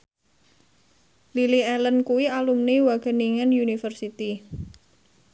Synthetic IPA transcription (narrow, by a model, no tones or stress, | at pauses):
liliɛlənkuwialumniwaɡ̥ə̤niŋanjunifərsit̪i